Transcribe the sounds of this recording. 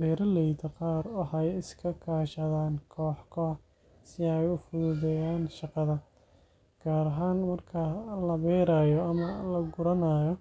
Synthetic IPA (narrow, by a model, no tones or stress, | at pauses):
bɛːɾɐlɛjt̪ʰɐqɑːɾʊħɑjɪskʰɐkʰaːʃɐðaːnkʰɔːħkʰɔ | sɪɛjʊfʊðʊðɛjaːnʃɑqɑðɐ | ɡ̥aːɾɐɦaːnmɐrkʰɐlɐβɛːɾaːjɔɐmɐlɐɡʊɾɐnaːjɔ